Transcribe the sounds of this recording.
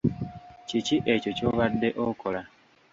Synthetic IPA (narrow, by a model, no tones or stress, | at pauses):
ciciʔe̞cocoβadːe̞ʔokʰola